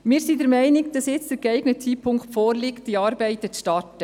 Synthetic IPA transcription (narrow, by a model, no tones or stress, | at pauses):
mɪːɾsidəɾmæɪnɪɡd̥ɑsjɪt͡std̥əɾɡɛɪɡnət͡sʰiːpʰʊŋkχtfɔːɾlɪkt̚d̥iɑːɾbɛɪt̪ət͡sʃtɑrtə